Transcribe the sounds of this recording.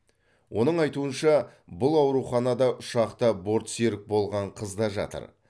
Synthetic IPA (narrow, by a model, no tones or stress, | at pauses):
wʔo̞nəɴɑjt̪uənʃɑbʊlˠɑwɾuχɑnɑd̪ɑʔʊʃɑqt̪əbo̞ɾt̪seɾɪk̚bo̞lˠʁɑɴqʰəzd̪ɑʒɑ̰t̪ə̰ɾ